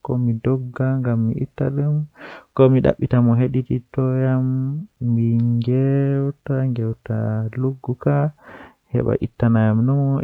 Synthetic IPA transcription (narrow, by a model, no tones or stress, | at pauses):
kɔmidɔɡːaŋɡamːḭitːaɗumkɔmiɗa̰ɓːitamɔɦeɗititɔjamː | iŋɡɛwtaŋɡɛwta̰luɡːuka | hɛ̰ɓa̰ʔḭtːanajamnɔmɔ